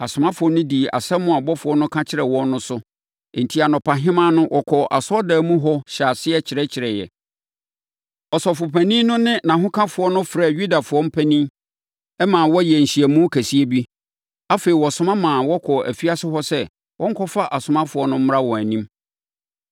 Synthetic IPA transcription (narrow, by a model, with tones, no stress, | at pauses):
a˨sʊ˨mã˦fʊ˨˦ɔ˦nʊ̃˦di˨a̰˨sɛ˦mːʊ̃˦a˨bɔ˦fʊ˨ɔ˦nʊ̃˦kʰã˦t͡ɕʰɪ˦ɾɛ˨wɔ̃˦nnʊ̃˦sʊ˦˨ | n̩˨tʰi˦a˨nɔ̃˨pʰa˨ɦɪ̃˦mã˦nʊ̃˦wʔɔ˨kʰɔ˨ʔa̰˨sɔ˦dɛː˨mũ˦ɦɔ˦ɕa˨sɪ˦ɛ˦t͡ɕʰɪ˨ɾɛ˦t͡ɕʰɪ˨ɾɛ˨jɛ̰˨ | ɔ˨sɔ˨fʊ˨pʰæ˨nĩ˦nʊ̃˦nɪ̃˦nã˨ɦʊ̃˦kʰã˦fʊ˨˦ɔ˦nʊ̃˦fɾɛ˨ɥu˦da˨fʊ˨ɔ˦m̩˦pʰæ˦nĩ˦ | ɛ˦mãː˨wɔ˦jɛ˨n̩˨ɕi˨ɛ˨mũ˦kʰæ˨si˦e˦bi˦ | a˦fe˨ɾi˨wɔ˨sʊ˦mã˦mãː˨wɔ˦kʰɔ˨æ̰˨fi˦a˦sɪ˦ɦɔ˦sɛ˦ | wʔɔ̃˦ŋ̩˦kʰɔ˦fa˦ʔa˨sʊ˨mã˦fʊ˨ɔ˦nʊ̃˦m̩˦m˦ɾa˦wɔ̃˨æ˨nĩ˦m